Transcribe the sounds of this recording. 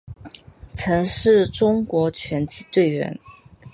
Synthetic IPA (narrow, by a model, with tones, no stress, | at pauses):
t͡sʰɤ˧˥ŋʂɻ̩˥˩ʈ͡ʂʊ˥ŋkwɔ˧˥t͡ɕʰɥɛ˧˥nt͡ɕi˧˥˩t̪we˥˩ɪɥɛ̰˧˥n